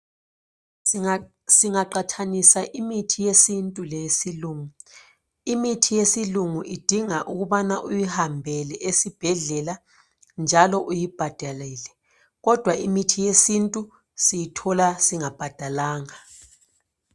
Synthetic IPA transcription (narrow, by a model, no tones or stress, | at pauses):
siŋaǃatʰanisaʔimitʰijesintʼulesiluːŋu | imitʰijesiluŋuʔid̥ʱiŋaʔuɣuβanaʔujihambʱɛlɛʔesib̥ʱɛɮɛla | nd͡ʒʱalɔʔujib̥ʱad̥ʱaliːlɛ | ɣɔd̥ʱwaʔimitʰijesintʼu | sijitʰɔlasiŋab̥ʱad̥ʱalaːŋa